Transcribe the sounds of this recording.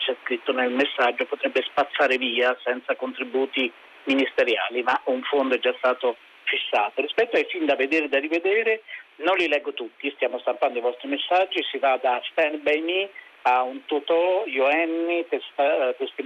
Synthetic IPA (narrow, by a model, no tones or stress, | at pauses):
t͡ʃɛskɾit̪ːonelmesːad͡ʒːopot̪ɾɛbːespat̪sːaːɾeviːasɛnt̪sakont̪ɾibuːt̪i | minist̪eɾjaːlimauɱfond̪oɛd͡ʒːast̪aːt̪o | fisːaːt̪orispɛt̪ːoajfind̪aved̪eːɾed̪arived̪eːɾenonlilɛɡːot̪ut̪ːist̪jaːmost̪ampand̪oivɔst̪ɾimesːad͡ʒːisivad̪asp̪ɛnbɛjmi | aunt̪ut̪ɔjoɛnːit̪est̪at̪est̪i